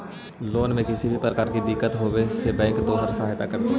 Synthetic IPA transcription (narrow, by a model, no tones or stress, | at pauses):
loːnmẽkɪsibʱipɾɐkaːɾkid̪ɪkːət̪ɦoːwesebɛ̃ːŋkt̪oːɦəɾsaɦɦt̪akɐɾt̪i